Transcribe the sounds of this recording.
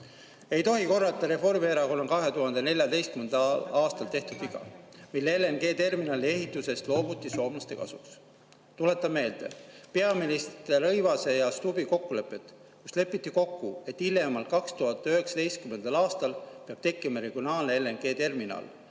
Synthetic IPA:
e̞jt̪o̞ɦiko̞rːɑlt̪ːˑɑɾe̞fo̞rmieɾɑko̞no̞nkɑɦe̞t̪uɦɑnd̪̥e̞ne̞lʲjɑd̪e̞jst̪kymend̪ɑɑːst̪ɑlt̪e̞ht̪ud̪iɡɑ̰milːeelːenɡ̥e̞ːt̪e̞rminɑːlie̞ɦit̪ːˑuse̞st̪lo̞ːbut̪ːˑiso̞ːmlɑst̪e̞kɑ̰suks | t̪ule̞t̪ːˑɑmmːe̞ːld̪e̞̰pe̞ɑministtt̪erɤjvɑse̞jɑst̪ubiko̞kːule̞pːˑe̞t̪ | kusle̞pːˑit̪ːˑiko̞kːue̞t̪ːilːe̞mɑl̚kɑkst̪uɦɑt̪ːˑøɦe̞ksɑ̥t̪e̞jst̪̚kyme̞nd̪̥ɑlɑːst̪ɑlpeɑb̥t̪e̞kːˑimɑɾe̞ɡ̥io̞nɑːlneelːenɡ̥e̞ːt̪e̞rminɑ̰ːl

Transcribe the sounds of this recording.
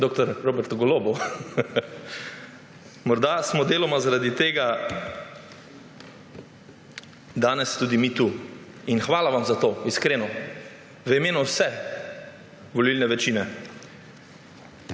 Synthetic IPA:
d̪oːk̚t̪ɔɾɾobɛɾt̪ɡɔloːbɔ | mɔɾd̪asmɔd̪eːlɔmazaɾad̪it̪eːɡa | d̪aːnɛst̪uːd̪imit̪u | inxʋaːlaʋamzat̪oːiskɾeːnɔ | ʋəimeːnuwsɛ | ʋɔlilnɛʋɛt͡ʃiːnɛ

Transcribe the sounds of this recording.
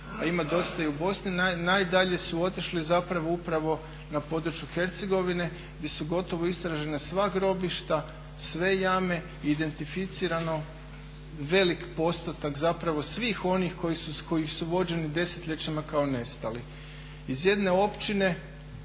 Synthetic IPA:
aimad̪o̞st̪aiubo̞sninnajd̪aʎe̞suo̞t̪iʃlizapɾaʋo̞upɾaʋo̞ | napo̞d̪ɾut͡ʃjuxe̞ɾt̪se̞ɡo̞ʋine̞ | ɡd̪ʲje̞suɡo̞t̪o̞ʋo̞ist̪ɾaʒe̞nasʋaɡɾo̞biʃt̪a | sʋe̞jame̞ | iːd̪e̞nt̪ifit̪siɾano̞ | ʋe̞likpo̞st̪ot̪akzapɾaʋo̞sʋiːxo̞nixko̞jisuko̞jixsuʋo̞d͡ʑe̞nid̪e̞set̪ʎʲe̞t͡ɕamakaone̞st̪ali | izje̞d̪ne̞o̞pt͡ɕine̞

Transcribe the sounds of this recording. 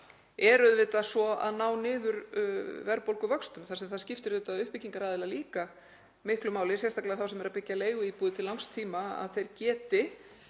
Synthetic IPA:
ɛɾʏðvɪt̪asɔa̰ðnaːwnɪːðʏɾvɛɾpowlkʏvœkst̪ʏmθasɛmθaðscɪft̪ɪɾðʏːt̪aðʏhpɪcːiŋkaɾaːðɪlaliːka | mɪhklʏmaːwlɪsjɛst̪ʰaklɪaðθawsɛmɛɾaðpɪcːaleːjɣʏiːpuðɪt̪ʰɪllawŋst̪ʰiːmaa̰ðθejɾcɛːt̪ɪ

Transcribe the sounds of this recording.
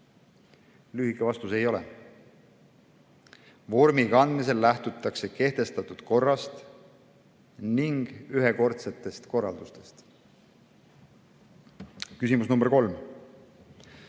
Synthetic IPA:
lyːhikːˑevɑst̪use̞jo̞lɛ̰ | vo̞ɾmiɡɑɑnd̪mis̬e̞lːæht̪ut̪ːˑɑkse̞ke̞ht̪e̞st̪ɑt̪ːˑud̪̥ko̞rːɑst̪ | niŋɡ̥yɦe̞ko̞rt̪se̞t̪ːˑe̞st̪ko̞rːɑ̰ld̪ust̪e̞̥st̪ | kysimusnumb̥eɾko̞lm

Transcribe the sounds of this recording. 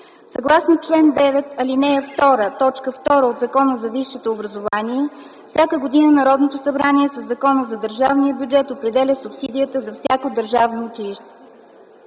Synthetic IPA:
sɐɡlˠasnot͡ʃlɛnd̪ɛvɛt̪ɐlinɛɛft̪ɔɾət̪ɔt͡ʃkəft̪ɔɾəod̪zɐkɔnəzɐviʃːɛt̪oːbɾəzovaniɛ | fsʲakəɡod̪inənɐɾɔd̪not̪osɐbɾaniɛsɐzːɐkɔnəzɐd̪əɾʒavnijəbʲjud͡ʒɛt̪opɾɛd̪ɛlʲəsupsid̪ijət̪əzɐfsʲjakod̪əɾʒavnoːt͡ʃiliʃt̪ɛ̥

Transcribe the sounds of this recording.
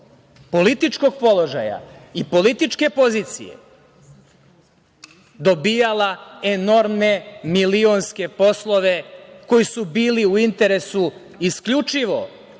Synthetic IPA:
po̞lit̪it͡ʃko̞ɡ̚po̞lˠo̞ʒaja̰ipo̞lit̪it͡ʃke̞po̞ziːt̪sḭje̞̰ | d̪o̞bijalaeno̞ɾmne̞milionske̞po̞slˠo̞ʋe̞ko̞jisubiːliuint̪e̞ɾe̞su | iskʎut͡ʃiʋo̞̰

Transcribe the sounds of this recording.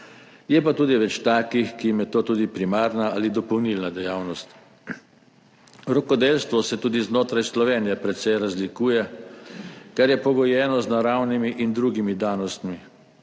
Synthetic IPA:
jɛpat̪uːd̪iʋɛt͡ʃt̪aːkixkijimjɛt̪oːt̪uːd̪ipɾimaːɾnaalid̪ɔpɔwnilnad̪ɛjaːwnɔst̪ | ɾɔkɔd̪eːlst̪ʋɔsɛt̪uːd̪iznoːt̪ɾajslɔʋeːnijɛpɾɛt̪sɛjɾazlikuːjɛ | kaɾjɛpɔɡɔjɛːnɔznaɾawnimiʔind̪ɾuːɡimid̪aːnɔst̪mi

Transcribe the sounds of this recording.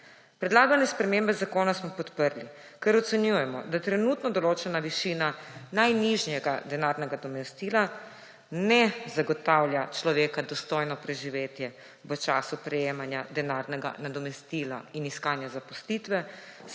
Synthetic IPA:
pɾɛd̪laːɡanɛspɾɛmembɛzakoːnasmɔpɔt̪pəɾli | kɛɾɔt̪sɛnjujɛmɔd̪at̪ɾɛnut̪nɔd̪ɔloːt͡ʃɛnaʋiʃiːnanajniʒnjɛɡad̪ɛnaɾnɛɡad̪ɔmɛst̪iːla | nɛzaɡɔt̪awlʲjat͡ʃlɔʋeːkad̪ɔst̪ojnɔpɾɛʒiʋeːt̪jɛ | ʋət͡ʃaːsupɾɛjeːmanjad̪ɛnaɾnɛɡa̰nad̪ɔmɛst̪ila̰iniskaːnjazapɔslit̪ʋɛ

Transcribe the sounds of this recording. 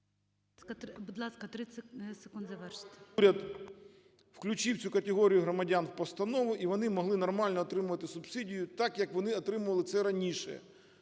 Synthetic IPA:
kɐbʊd̪lˠɑskɐt̪ɾɪssekund̪zɐʋɛrʃɪ̥t̪ʲɾʲɐd̪ | wklʲʊt͡ʃɪwt͡sʲukɐt̪ʲeɦɔɾʲijʊɦɾɔmɐdʲanwpɔst̪ɐnɔʋʊʔiʋɔnɪmɔɦlˠɪnɔrmɑlʲnɔːt̪ɾɪmʊʋɐt̪ɪsʊbsidʲijʊt̪ɑkjɐkʋɔnɪɔt̪ɾɪmʊʋɐlˠɪt̪sɛɾɐnʲiʃɛ̰

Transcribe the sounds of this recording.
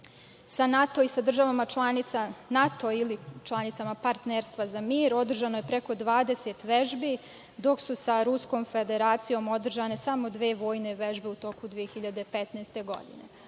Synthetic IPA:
sanat̪o̞isad̪r̩ʒaʋamat͡ʃlˠanit̪sanat̪o̞ilit͡ʃlˠanit̪samapaɾt̪neɾst̪ʋazamiːɾo̞d̪r̩ʒanoje̞pɾe̞ko̞d̪ʋaːd̪e̞set̪ʋe̞ʒbi | d̪o̞ksusaɾusko̞ːmfe̞d̪e̞ɾaːt̪sijo̞mo̞d̪r̩ʒane̞samo̞d̪ʋe̞ːʋo̞ːjne̞ʋe̞ʒbe̞ut̪o̞kud̪ʋijexiʎad̪e̞pet̪najst̪e̞ɡo̞̰d̪ḭnḛ

